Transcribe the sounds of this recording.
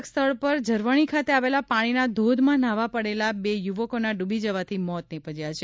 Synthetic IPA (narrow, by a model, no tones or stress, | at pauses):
kst̪ʰəɭpəɾd͡ʒəɾʋəɽ̃ikʰat̪eaʋelapaɽ̃inad̪ʱod̪ʱmãnaʋapəɽelabejuʋəkonaɖubʱid͡ʒəʋat̪ʰimɔt̪̚nepəd͡ʒjat͡ʃʰe